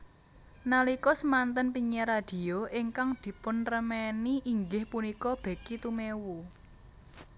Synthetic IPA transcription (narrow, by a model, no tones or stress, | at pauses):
nalikɔsəmant̪ənpiɲɛɾad̪̥i̤oʔɪŋkaŋd̪̥i̤pʊnrəmɛniʔːŋɡɪhpunikɔb̥a̤kit̪umewu